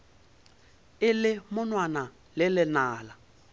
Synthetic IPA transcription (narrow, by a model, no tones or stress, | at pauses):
ɪlɪmʊnwana | lɪlɪnaːla